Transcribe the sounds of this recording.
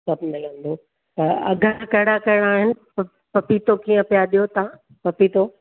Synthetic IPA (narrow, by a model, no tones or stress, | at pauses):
sɐbmɪlə̃nd̪o | t̪ɐɐ̰ɡʱənkɐɦɪɽakɐɦɪɽaːɦɪnɪ̆ | ɐ | pɐpit̪okiːə̃pijaɗijot̪ã | pɐpit̪o